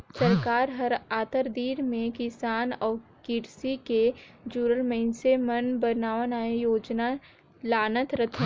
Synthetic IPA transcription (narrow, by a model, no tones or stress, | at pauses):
səɾkaːɾɦəɾaːt̪əɾd̪iːɾmẽkɪsaːnɔːɾkɪɾsiked͡ʒuːɾəlmẽɪnsemənbənaːʋənaːejoːd͡ʒna | laːnət̪ɾət̪ʰ